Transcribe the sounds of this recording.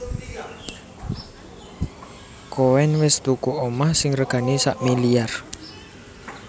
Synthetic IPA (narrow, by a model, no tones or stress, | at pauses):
kowɛnwɪst̪ukuʔomahsɪŋrəɡ̥a̤nisaʔmiliar